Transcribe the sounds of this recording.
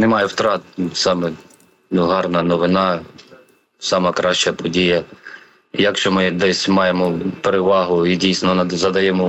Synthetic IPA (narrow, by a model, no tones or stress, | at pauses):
nɛmɑjɛwt̪ɾɑt̪̚sɑmɛ | nʊɦɑrnɐnɔʋɪnɑ | sɑmɐkɾɑʃt͡ʃɐpɔdʲijɐ | jɐkʃt͡ʃɔmɪd̪ɛsʲmɑjemɔpeɾeʋɑɦʊidʲijsnɔnɐzɐd̪ɐjɛmɔ